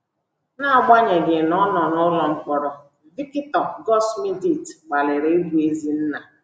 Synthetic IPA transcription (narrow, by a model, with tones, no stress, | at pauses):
na˦˨ɡ͡ba˦ɲe˨ɡɪ˨nɔ˦nɔ˨nɔ˦lɔ˨ŋ͡m̩˦k͡pɔ˨ɾɔ˨ | vi˦ki˦tɔ˨ɡɔ˦smi˦di˨tɡ͡ba˨lɪ˨ɾe˨˦e˦bu˨e˦zi˦n̩˦na˨